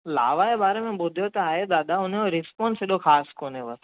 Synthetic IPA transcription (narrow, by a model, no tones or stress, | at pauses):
la̰ːʋaebaːɾemẽbʊd̪ʱijot̪ɐaːɦed̪aːd̪aʊn̤oɾɪspɔ̃ːnsɪɗoxaːskoːneʋɐs